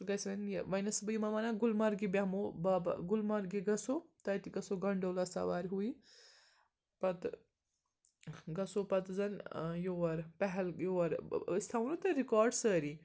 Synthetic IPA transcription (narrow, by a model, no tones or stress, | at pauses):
ɡɐsʋɐnjʋɐjnɐsbɐimɐmanaːɡʊlmɐɾɡibʲɐmobaːb̰ɡʊlmɐɾɡiɡɐsoːt̪ɐjt̪iɡɐsoɡɐɳɖoːlɐsa̰ʋaːɾʲɦui | pɐt̪ | ɡɐsopɐt̪zɐnjoʋɐɾpɛɦɛljoːɐɾst̪ʰaːʋnot̪ɐɾikaːɾɖsəːɾi